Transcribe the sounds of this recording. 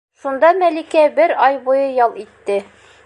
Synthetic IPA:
ʃund̪ɑmælikæbɘɾɒjbujɤjɒlˠit̪ːɘ

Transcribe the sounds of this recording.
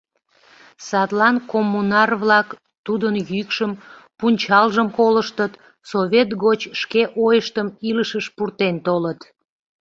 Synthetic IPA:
sɑt̪lɑnkomːunɑrβlɑk | t̪ud̪ənjykʃəmpunʲt͡ɕɑlʒəmkoləʃt̪ət̪ | soβʲet̪ɡot͡ɕʃkeʔojəʃt̪əmiləʃəʃpurt̪ent̪olət̪

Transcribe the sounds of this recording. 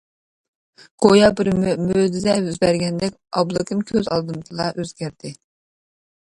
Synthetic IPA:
ɡ̥ojɑbɪɾmød̪ɪzɛyzbæɾɡʲɛnd̪ɛkʲɑblˠɨkɨmkʲʰøzɑ̰lˠd̪ɨmt̪ʰɨlˠɑ̰ʔøzɡʲæɾd̪ɪ

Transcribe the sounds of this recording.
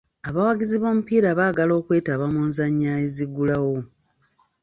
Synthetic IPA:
aβawaɡiziβo̞ːmupiːɾaβaːɡalo̞ːkwe̞ːtaβamunzaɲːaːeziɡulawo̞

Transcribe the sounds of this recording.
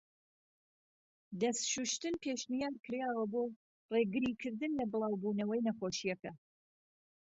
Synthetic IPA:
d̪ɐst̪ʃuʃt̪ɨnpʰeːʃmijaːd̪kʰɨɾjaːwɐboː | reɡɨɾikʰɨɾd̪ɨnlɐbɨlˠɑːwbunɐwɐjnɐχoʃijɐkɐ

